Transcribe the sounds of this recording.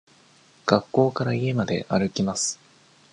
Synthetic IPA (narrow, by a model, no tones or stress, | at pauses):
ɡ̥akːo̞ːkaɾaie̞mad̪e̞̰ʔaɾɯ̟kʲimasɨ̥